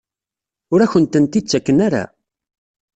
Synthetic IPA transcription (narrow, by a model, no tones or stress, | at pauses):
ʊɾæçənt̪ənt̪it͡sːækːənaɾa̰